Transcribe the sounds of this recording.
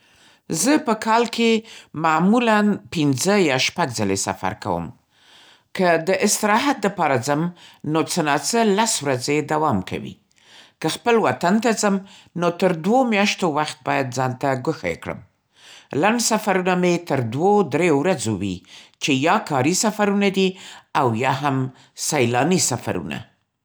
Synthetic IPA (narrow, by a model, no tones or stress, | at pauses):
zəpəkɑlkʰemamulanpinzəjɑʃpaɡzalḛsa̰fa̰ɾka̰wə̰m | kəd̪əʔɪst̪ɪɾɑɦat̪̚ləpɑɾazəmnot͡sənɑt͡səlaswɾazed̪awɑmkʰa̰wḭ | kəxpəlwat̪ant̪azəmnot̪əɾd̪womjɑʃt̪owaxt̪̚bɑjad̪zɑnt̪aɡəxa̰jḛkɽə̰m | laɳɖsafaɾunamet̪əɾd̪wod̪ɾejowɾazowḭt͡ʃejɑkɑɾisafaɾunad̪iawjɑɦam | sajlɑnisafa̰ɾṵna̰